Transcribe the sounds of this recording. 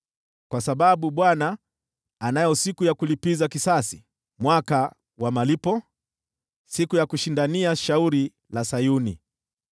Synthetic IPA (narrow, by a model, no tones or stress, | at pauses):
kwasaɓaɓuɓwanaː | najɔsikujakulipizakisasi̥ | mwaka | wamalipɔ | sikujakuʃindaniaʃauɾi | lasajunḭ